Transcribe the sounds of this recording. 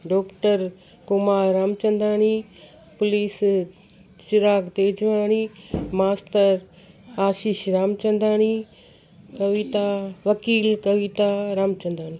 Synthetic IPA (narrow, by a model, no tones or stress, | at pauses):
ɖɔːkʈəɾ | kʊmaːɾɾamt͡ʃɐ̃nd̪aːni | pʊliːs | t͡ʃɪɾaːkt̪eːd͡ʒʋaːñimaːstəɾ | aːʃiʃɾaːmt͡ʃɐ̃nd̪aːni | kɐʋit̪aʋɐkiːlkɐʋit̪aɾamt͡ʃɐ̃nd̪ʱaːñiː